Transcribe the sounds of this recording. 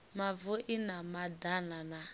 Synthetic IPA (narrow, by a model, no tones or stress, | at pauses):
mavuʔinamadanana